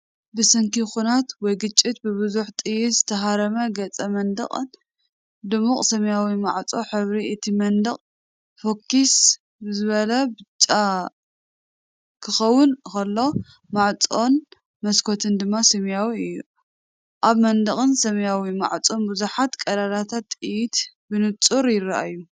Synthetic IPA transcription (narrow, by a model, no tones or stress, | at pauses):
bɨsɐŋkixunat̪wɔjɡɨt͡ʃʼːit̪̚bɨβɨzuħt̪ʼɨjɪst̪ʰɐɦaɾɐmɐɡɐt͡sʼɐmɐnd̪ɐ̰χʼn | d̪ɨmuχʼsɐmjawimaʕt͡sʼo̞ħɨβɾiɨt̪ʰimɐnd̪ɐχʼ | fokʰːis | bɨzɨβɐlɐbɨt͡ʃʼːa | kʰɨxɐwːʊnkɐlːo̞ | maʕt͡sʼo̞n | mɐskʰo̞t̪ʰɨnd̪ɨmːasɐmjawiɨjːu | ʔaβmɐnd̪ɐχʼɨnsɐmjawima̰ʕt͡sʼo̞nbuzuħat̪kʼɐlalat̪ʰat̪ːɨjit̪ | bɨnɨt͡sʼuɾjɪraʔjːu